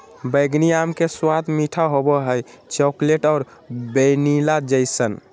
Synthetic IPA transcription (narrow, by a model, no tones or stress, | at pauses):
bəjɡniamkeswad̪miʈʰaɦobəɦəj | t͡ʃɔkleʈɔːɾ | benilad͡ʒəjsən